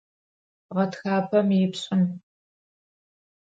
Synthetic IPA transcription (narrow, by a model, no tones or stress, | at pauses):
ʁɐtxaːpʰɐmjɪpɕʼɪn